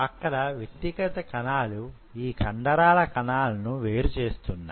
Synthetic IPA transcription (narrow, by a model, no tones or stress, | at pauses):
ɐkːɐɽɐʋjet̪ːikɐt̪ɐkɐnaːlu | iːkʰɐɳɖɐɾaːlɐkɐnaːlɐnuʋeːɾut͡ʃe̞ːst̪unːa̰